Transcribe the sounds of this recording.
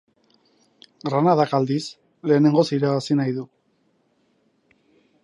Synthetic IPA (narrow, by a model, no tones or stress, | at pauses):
ɡɾanaðakald̪is | le̞ːne̞ŋɡo̞siɾaβasinajðu